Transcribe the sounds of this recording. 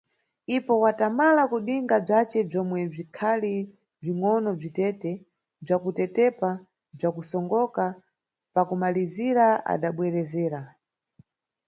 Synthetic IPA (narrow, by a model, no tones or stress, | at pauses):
ipɔwatamalakuɗiŋɡab͡ʐat͡ʃɛb͡ʐɔmwɛb͡ʐikʰali | b͡ʐiŋɔnɔb͡ʐitɛtɛ | b͡ʐakutɛtɛpa | b͡ʐakusɔŋɡɔka | pakumaliziɾaa̰ɗaɓwɛɾɛzɛːɾa